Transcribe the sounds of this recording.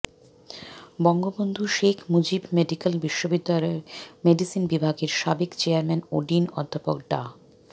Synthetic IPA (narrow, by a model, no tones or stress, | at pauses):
bɔŋɡobond̪ʱuʃekʰmud͡ʑibmeɖikelbiʃːobid̪ːalɔemeɖisinbibʱaɡeɾʃabekt͡ɕeaɾmɛnoɖinɔ̰d̪ʱːapok̚ɖa̰